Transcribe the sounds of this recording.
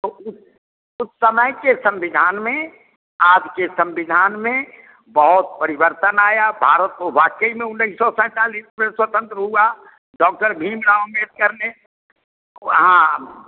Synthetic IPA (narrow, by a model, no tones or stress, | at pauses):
t̪oʊs | ʊsːəməjkesə̃mʋɪd̪ʱaːnmẽ | aːd͡ʒkesə̃mʋɪd̪ʱaːnmẽ | bəɦʊt̪̚pəɾɪbəɾt̪ənaːjabʱaːɾət̪̚ːoʋaːkəimẽʊnːəsːɔsɛ̃ːt̪aːliːsmẽswət̪ə̃nt̪ɾəɦua | ɖɔːk̚ʈəɾbʱiːmɾaʊmet̪̚kəɾne | ɦã